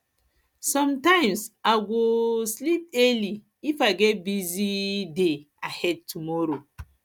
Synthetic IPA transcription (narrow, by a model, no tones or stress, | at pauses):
sɔ̃mtãɪ̃msaɡoslip̚ɛli | ifaɡɛt̚bizide | ahɛd̚tʰumɔɹo